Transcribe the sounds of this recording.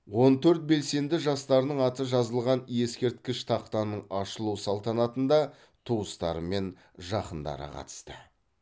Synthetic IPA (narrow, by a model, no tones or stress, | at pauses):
wo̞nt̪ʰɵɾt̪̚be̞lse̞nd̪ɪʒɑst̪ɑɾənəɴɑt̪əʒɑzəlˠʁɑnje̞skʲe̞ɾt̪̚kʲɪʃt̪ʰɑqt̪ɑnːəɴɑʃəlˠusɑlˠt̪ɑnɑt̪ənd̪ɑ | t̪ʰuwəst̪ɑ̰ɾəme̞n | ʒɑqənd̪ɑ̰ɾə̰qʰɑ̰t̪ə̥st̪ə